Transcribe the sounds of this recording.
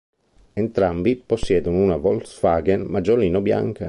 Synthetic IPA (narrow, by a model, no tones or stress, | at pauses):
ent̪ɾambiposːjɛːd̪ununavɔlsfaːɡenmad͡ʒoliːnobja̰ŋka